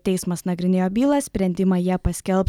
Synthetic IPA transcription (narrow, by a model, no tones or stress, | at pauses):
t̪ʲɛɪsmɐsnɐɡɾʲɪnʲeːjoːbʲiːlˠɐssʲpʲɾʲɛnʲd̪ʲɪmɑːjiɛpɐsʲkʲɛlˠp